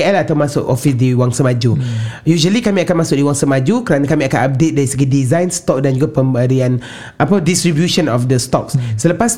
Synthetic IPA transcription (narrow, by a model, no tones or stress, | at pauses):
ɛlat̪awmasʊkofisdiwaŋsəmad͡ʒujuʒəlikamĩakanmasʊk̚diwaŋsəmad͡ʒukəɾanakamĩakanap̚det̪̚daɾisəɡidizãjnst̪ɔk̚dand͡ʒuɡapəmbəɾian | ʔapadist̪ɾibjuʃənɔfdəst̪ɔk̚ssələpas